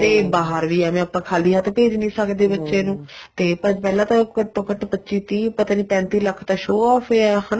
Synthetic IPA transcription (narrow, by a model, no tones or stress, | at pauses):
d̪eːbaːɦəɾʋiːɛːmɛ̃ːəpːãːkʰaːliːɦaːt̪ːpeːd͡ʒnĩːsəkd̪eːbətːʃeːnũːt̪eːpəpɛːlãːt̪ãkəʈːõːkəʈpətːʃiːt̪ĩːpət̪ãːniːpɛ̃ːnt̪iːləkʰt̪aːʃoːɔːpʰeɛːɦən